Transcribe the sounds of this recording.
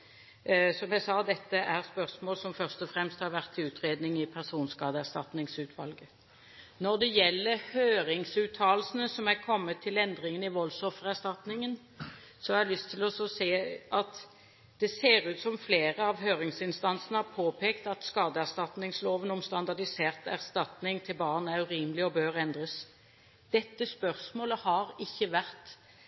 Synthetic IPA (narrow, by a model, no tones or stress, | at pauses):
sɔmjæɪsɑːd̪ɛt̪ːəʔæʁspœʁsmoːlsɔmfœʁst̪ɔfɾɛmst̪hɑɾʋæʁt̪ʰːɪʉːt̪ɾeːd̪nɪŋɪpʰæʁsuːnskɑːd̪əæʁst̪ɑ̰t̪nɪŋsʉːt̪ʰʋɑlɡə | nɔʁd̪ɛjɛlːəɾhøːɾɪŋsʉːt̪ʰːɑːlsən̩əsɔmækʰɔmːət̪ʰːɪlɛnd̪ɾɪŋənɪʋɔlsɔfəʁæʁst̪ɑt̪nɪŋən | sɔɑɛlʏst̪ʰːɪlɔsɔseːʔɑt̪ | d̪̥ɛseːʁʉːt̪sɔmfleːɾəɑʋɦøːʁɪŋsɪnst̪ɑnsnəhɑpʰoːpʰeːkt̪ɑt̪skɑːd̪əæʁst̪ɑt̪nɪŋsloːʋənʊmst̪ɑnd̪ɑd̪ɪseːʁt̪æ̰ʁst̪ɑt̪nɪŋt̪ʰɪlbɑːʁnæʁʉʁiːməlɪɔbøːʁɛnd̪ʁəs | d̪̥ɛt̪ːəspœʁsmoːləhɑʁɪçːəʋæʁt̪